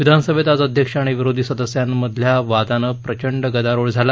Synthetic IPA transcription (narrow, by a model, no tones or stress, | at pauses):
ʋid̪ʱanəsəbʱet̪ad͡zəd̪ʱjəkʂaɽ̃iʋiɾod̪ʱiːsəd̪əsjamːəd̪ʱljaʋad̪anəpɾət͡ɕəɳɖəɡəd̪aɾoɭd͡zʱala